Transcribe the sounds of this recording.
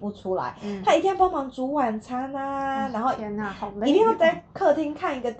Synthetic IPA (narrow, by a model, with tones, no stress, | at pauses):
pu˥˩ʈ͡ʂʰu˥la̰˨˦ɪt̪ʰa˥i˧t̪jɛ˥npɑ˥ŋmɑ˧˥˦ŋt͡su˨˥wa˨˩nt͡sʰa˧˥na˧na˧˥nxo˥˩ʊ˧˨i˧t̪i˥˧ŋjɑ˥˧ʊt͡sa˥˧ɪkʰɤ˥˧t̪ʰi˥ŋkʰa˥˩ni˧˥ɡə˨˧